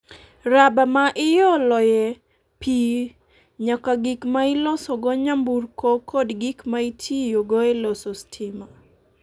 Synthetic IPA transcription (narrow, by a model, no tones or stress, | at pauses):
ɾabamaʔɪjɔlɔjɛ | pʰi | ɲakaɡikmaɪlɔsɔɡɔɲambuɾkokɔdɡikmaitʰijoɡɔɛlɔsɔstʰɪma